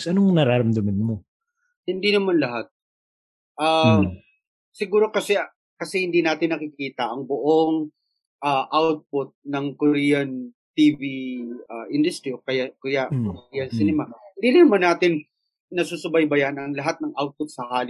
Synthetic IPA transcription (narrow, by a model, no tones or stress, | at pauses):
sʔɐnoŋnɐɾaɾɐmd̪ɐmɐnmo | hɪnd̪inɐmanlɐɦat̪̚ | ʔaː | sɪɡuːɾo̞kɐsɛ | kɐsɛhɪnd̪iːnaːt̪ɪnːɐkɪkiːt̪ɐʔɐŋbʊʔoŋ | ʔaʔawt̪̚pʊt̪̚nɐŋkoɾiːjɐnt̪iːviɐʔɪnd̪ʊst̪ɾiokɐjakɐjaʔkɾiːjɐnsɪnɛmahɪnd̪ilɐnɐmanːaːt̪ɪn | nɐsuːsɐbɐjbɐjanɐŋlɐɦat̪̚nɐŋʔawt̪̚pʊt̪̚sɐhaːl